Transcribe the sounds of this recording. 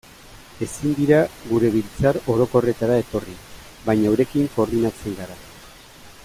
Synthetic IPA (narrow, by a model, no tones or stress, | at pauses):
e̞sind̪iɾaɡuɾe̞βilt͡saɾo̞ɾo̞ko̞re̞t̪aɾae̞t̪o̞ri | bajɲawɾe̞kiŋko̞ːɾðinat͡se̞ŋɡaɾa